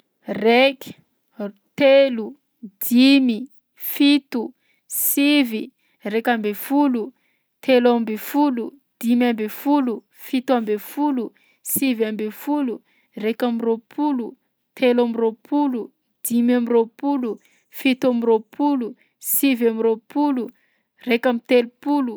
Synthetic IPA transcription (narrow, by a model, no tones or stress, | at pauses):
rek | t̪elu | d̪̥imi | fit̪u | sivi | rekambefulu | t̪ʰelambefulu | d̪̥imambefulu | fit̪uambefulu | sivambefulu | rekamiropʰulu | t̪ʰelamiropʰulu | d̪̥imamiropulu | fit̪amiropʰulu | sivamiropulu | rekamit̪elupulu